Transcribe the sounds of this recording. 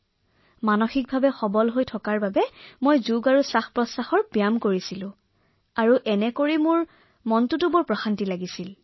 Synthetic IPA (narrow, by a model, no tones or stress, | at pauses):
manoxik̚bʱabɛxɔbɔlɦojtʰɔkaɹbabɛmojzuɡaɹusaxpɹɔsaxɔɹpijamkoɹisilʊ̃ | aɹuʔɛnɛkoɹimʊɹ | mɔntutʊbɔɹpɹɔxantilaɡisil